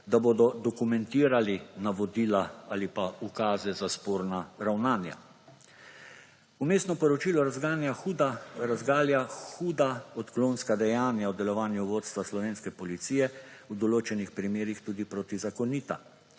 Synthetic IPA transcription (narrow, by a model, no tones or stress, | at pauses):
d̪aboːd̪ɔd̪ɔkumɛnt̪iːɾalinaʋɔd̪iːlaalipaukaːzɛzaspoːɾnaɾawnaːnja̰ | umeːsnɔpɔɾɔt͡ʃiːlɔɾazɡaːnjaxud̪aɾazɡaːljaxuːd̪aɔt̪kloːnskad̪ɛjaːnjawd̪ɛlɔʋaːnjuʋoːt̪st̪ʋaslɔʋeːnskɛpɔlit̪siːjɛwd̪ɔloːt͡ʃɛnixpɾimeːɾixt̪uːd̪ipɾoːt̪izakɔniːt̪a̰